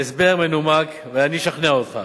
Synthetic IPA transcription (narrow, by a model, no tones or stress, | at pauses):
esbeʁmenumak | veaniʃaχneaot̪χa